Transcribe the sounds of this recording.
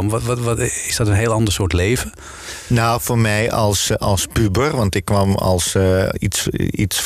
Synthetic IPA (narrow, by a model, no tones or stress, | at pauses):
m | ɪsdɔtənɦeːəlˠɑndəsoːtleːvə | nawformɛjɔ̰lˠsɔ̰lˠsbybərʋɑntɪkʰːʋɔmɔ̰lˠsḭsḭs